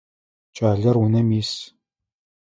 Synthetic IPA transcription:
t͡ʃʼaːɮɐrwunɐmiːs

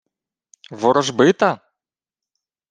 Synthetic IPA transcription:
ʋɔɾɔʒbɪt̪ɐ

